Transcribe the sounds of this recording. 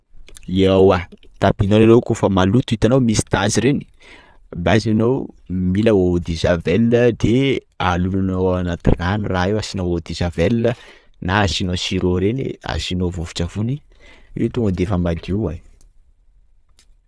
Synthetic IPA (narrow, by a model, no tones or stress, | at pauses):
iawat̪apinonanowkofəmalut̪uit̪anowmisi̥t̪aziɾeni̥ | bazinowmiləod̪izavelinəd̪e | alulunowanat̪ḭnaniraewasinowod̪izavelnə | naasinosiɾoɾenḛa̰sinovovi̥ʈ͡ʂəvuni | et̪uŋɡəd̪efəmad̪iwa̰